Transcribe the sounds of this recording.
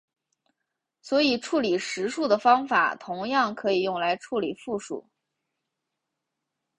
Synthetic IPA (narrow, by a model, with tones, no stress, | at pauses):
swɔ˧˥i˨˩ʈ͡ʂʰu˥˩li˨˩ʂɻ̩˧˥ʂu˥˩d̪ə˩fɑ˥ŋfa̰˨˩˦t̪ʰʊ˧˥ŋjɑ˥˩ŋkʰɤ˧˥i˨˩jʊ˥˩ŋla˧˥ɪʈ͡ʂʰu˥˩li˨˩fu˥˩ʂṵ˨˩˦